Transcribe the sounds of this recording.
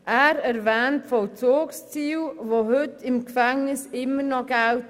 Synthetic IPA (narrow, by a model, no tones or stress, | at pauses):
ɛɾəɾvɛːntfɔwt͡sʰoːkst͡siːwvohʉtʰɪmkfɛŋnɪsɪməɾnɔɡawt